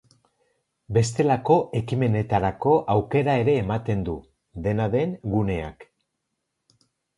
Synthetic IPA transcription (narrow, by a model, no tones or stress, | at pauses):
be̞st̪e̞lako̞ʔe̞kime̞ne̞t̪aɾako̞ʔawke̞ɾae̞ɾe̞ːmat̪e̞nd̪u | ðe̞naðe̞nɡune̞a̰k